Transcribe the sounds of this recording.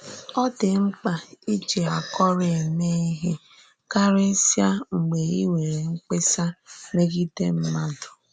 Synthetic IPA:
ɔ˦dɪ˨ŋ͡m̩˦k͡pa˨i˦d͡ʒe˨a˨kɔ˦ɾe˨e˨ne˦i˦ɦe˦ | ka˦ɾɪ˦sja˦ŋ͡m̩˨ɡ͡be˨ḭ˦we˨ɾe˨ŋ͡m̩˦k͡pe˦sa˦ne˦ɡi˦de˦m̩˦ma˦dʊ̥˨

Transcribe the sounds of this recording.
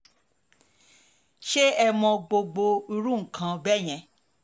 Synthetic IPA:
ʃe˦ɛ˧mɔ̃˧ɡ͡bo˧ɡ͡bo˧i˧ɾũ˦ŋ̩˨kʰã˨˦bɛ˦˨j̃ɛ̃˨˧

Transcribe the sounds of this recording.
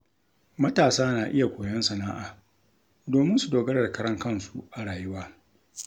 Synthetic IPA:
mɐ˦taː˨saː˦naː˨ʔɪ˦ja˨kʷoː˨jɐ˦nsɐ˨naː˦ʔaː˨ | doː˨mɪ˦nsu˨doː˨ɡɐ˦ɽɐ˨rkɐ˦ɾɐ˦ŋkɐ˦˨nsu˦˨ʔa˨ɽaː˨jʊ˦waː˦

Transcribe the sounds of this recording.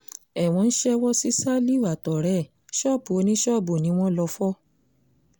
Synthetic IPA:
ɛ˨w̃ɔ̃˧n̩˦ʃɛ˦wɔ˦si˦sa˦li˦˨wa˨tɔ˨ɾɛ˦˨ | ʃɔ˦˨bo˨˦nĩ˦ʃɔ˦˨bo˨nĩ˧˦w̃ɔ̃˦lɔ˧fɔ˦

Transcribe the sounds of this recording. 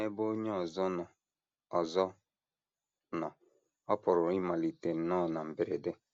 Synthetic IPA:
e˦bo˦ɲe˦ɔ˨zɔ˦nɔ˨ | ɔ˨zɔ˦ | nɔ˨ | ɔ˦pʊ˨ɾʊ˨ɪ˦ma˨li˨te˨n̩˨nɔ˦˨na˨m̩˨bɪ˨ɾḛ˨dɪ˦

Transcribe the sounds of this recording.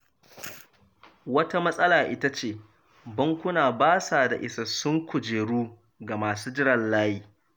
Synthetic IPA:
wɐ˦ta˦mɐ˦sʼɐ˦laː˨ʔɪ˦ta˦t͡ʃeː˦˨ | bɐ˦ŋkʷʊ˦naː˨baː˦saː˨da̰˨ʔɪ˨sɐ˨sʊ˦ŋkʷʊ˨d͡ʒeː˨ɽuː˦ | ɡa˨maː˨suː˦d͡ʒɪ˦ɽɐ˨nlaː˦jiː˦˨

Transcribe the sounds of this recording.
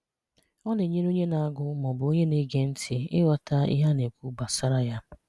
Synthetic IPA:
ɔ˦ne˨ɲe˦ɾo˦ɲe˦na˨a˦ɡʊ˦mɔ˨bʊ˨˦o˦ɲe˦ne˦ɡe˨n̩˦tʰɪ˨ɪ˦wa˨ta˦ḭ˦ɦa˦ne˨kʷu˦ba˨sa˦ɾa˦ja˦

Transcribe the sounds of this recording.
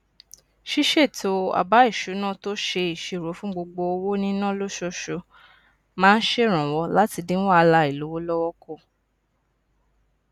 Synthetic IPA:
ʃi˦ʃe˦˨to˧a̰˨ba˨˦i˦˨ʃu˨˦nã˦˨to˦ʃe˧i˨ʃi˨ɾo˨˦fũ˦ɡ͡bo˧ɡ͡bo˧o˧wo˦nĩ˦nã˦lo˦ʃo˧ʃo˧ | mãː˦n̩˦ʃe˦˨ɾ̃ã˨wɔ˧la˦ti˧dĩ˦wa˦˧la˧i˨lo˨˦wo˦lɔ˦wɔ˦ko˦˨

